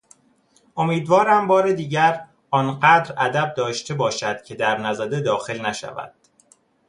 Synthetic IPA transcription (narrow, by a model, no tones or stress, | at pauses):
ʔo̞miːd̪vɒːɾæmbɒːɾed̪iːɟæɾ | ɒːnɢæd̪ɾæd̪æb̚d̪ɒːʃt̪ʰe̞bɒːʃæd̪̥cʰe̞d̪æɾnæzæd̪ed̪ɒːxe̞lnæʃæ̰væ̰d̪̥